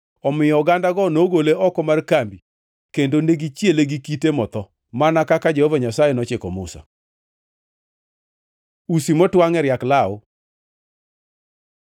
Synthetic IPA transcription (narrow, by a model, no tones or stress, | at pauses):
ɔmɪjɔɡandaɡɔnoɡoleɔkɔmarkambi | kendoneɡit͡ʃjeleɡikitemɔt̪ɔ | manakakad͡ʒehovaɲasajenɔt͡ʃɪkɔmʊ̰sa̰ | usimɔtwaŋɛɾjaklao